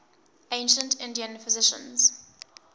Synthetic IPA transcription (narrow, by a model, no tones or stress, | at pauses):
ẽɪ̃nʃə̃ntɪ̃ndiə̃nfɪzɪʃə̰̃nz̥